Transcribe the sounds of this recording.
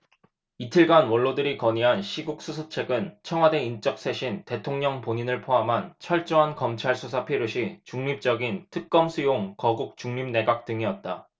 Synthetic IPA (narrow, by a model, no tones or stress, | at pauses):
itʰiɭɡanwʌɭːodɯɾikʌɲiɦanɕʰiɡuk̚s͈usʰot͡ɕʰe̞ɡɯnt͡ɕʰʌŋwade̞int͡ɕ͈ʌk̚s͈e̞ɕʰinte̞tʰoŋɲʌŋpoɲinɯɭpʰoɦamɦant͡ɕʰʌɭt͡ɕ͈oɦankʌmt͡ɕʰaɭsʰusʰapʰeɾjoɕʰit͡ɕuŋɲip̚t͡ɕ͈ʌɡintʰɯk̚k͈ʌmsʰujoŋkʌɡuk̚t͡ɕuŋɲimne̞ɡak̚t͈ɯŋiʌt̚t͈a